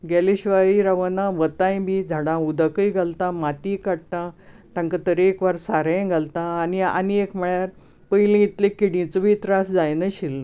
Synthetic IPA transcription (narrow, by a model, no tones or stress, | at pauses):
ɡɛliɕʋaiɾaʋənaʋət̪ãjbʱiːd͡zʱaɽãud̪əkəjɡʱalt̪amat̪iːkaɽ̚t̪at̪ãŋkat̪əɾeːkʋaɾsaɾə̃ɡʱalt̪ãːnia̰niekməɭjaɾ | pəjlĩit̪lẽkiɽĩt͡səbʱit̪ɾasd͡zajnəɕilːə